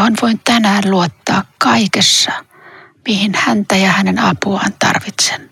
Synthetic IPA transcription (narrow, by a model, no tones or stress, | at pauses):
onʋointt̪ænæːnluot̪ːɑ̰ːkkɑikesːɑ | mihinhænt̪æjɑhænenɑpuɑ̰ːnt̪ɑ̰rʋit̪se̥n